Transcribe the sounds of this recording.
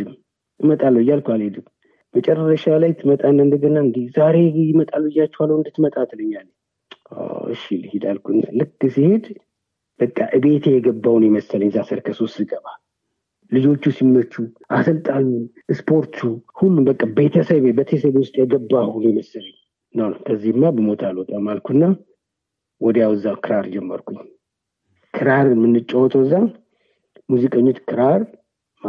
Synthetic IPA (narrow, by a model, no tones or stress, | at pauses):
d̪ɨmː | ʔɨmət̪ʼalːəjːalkʷaled̪ɨm | mət͡ʃʼɛrːəʃalajt̪ʰːɨmət̪ʼanːəɨnd̪əɡənaɨnd̪izaɾe̞jɪmət̪ʼalːujːat͡ʃːɛhwalːəwɨnd̪ɨt̪ːmət̪ʼat̪lɨɲːalːəɲ | a̰ɨ̰ʃilhid̪alkʰunlɨkːɨsihe̞d̪ | b̥əkʼːaʔɨβe̞t̪ʰejɛɡəbːawnjɛməsːələɲːzasəɾkʰəso̞st̪ːzɨɡəβa | lɨd͡ʒo̞t͡ʃːusimːət͡ʃːuʔasəlt̪ʼalːu | ɨspʰo̞ɾt̪ʰuhulːumbəkʼːabe̞t̪ʰəsəβebət̪ʰesəβwʊst̪ʼjɛɡəbːahunojɛməsəlɲ | nəwnəwkʰəzːihɨmːabəmo̞t̪ʰalot̪ʼamalkʰunːa | wɔd̪jawɨzːakʰɨɾaɾd͡ʒɛmːəɾkʰu | kʰɨɾaɾmɨnːɨt͡ʃʼːəwɔt̪ʰəwɨzːa | muzikʼəɲːot͡ʃ̪kʰɨɾaɾ | m